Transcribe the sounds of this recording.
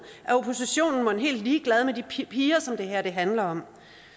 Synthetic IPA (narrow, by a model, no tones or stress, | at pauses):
ʔæo̝pʰo̝siɕo̝̰ːnn̩mɒ̽nɦe̝̰ːld̥liːɡ̥lɛð̞ˠmed̥ipʰiːɐsɒ̽md̥e̝ɦæɐ̰d̥e̝ɦænlɐɒ̽m